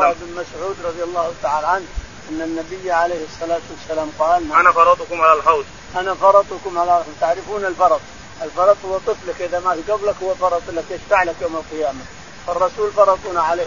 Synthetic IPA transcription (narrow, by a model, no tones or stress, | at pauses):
bɪnmasʕuːd̪ɾˤɑd̪ˤjalˤːɑːhʊt̪aʕaːlʕanʔanːanːabɪjːʕalejhɨsˤːɑlaːt̪wasːalaːmqɑːlaanafɑɾˤɑt̪ˤkʊmʕalalħawt̪ | ʔanafɑɾˤɑt̪ˤʊkʊmʕalaat̪aʕɾɪfuːnɪlfɑɾˤɑt̪ˤ | ʔɪlfɑɾˤɑt̪ˤhʊwːat̪ˤɨflakʔɪðamaɡablakhʊwːafɑɾˤɑt̪ˤɪlːak̪ɪʃfaʕlakjoːmalqɪjaːma | fɑrˤːɑsuːlfɑɾˤɑt̪ˤuːnaʕale